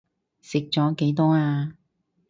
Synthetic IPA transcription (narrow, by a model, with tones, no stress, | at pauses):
sɪ˨k̚t͡ʃɔː˨˥ke˨˥jt̪ɔː˥aː˧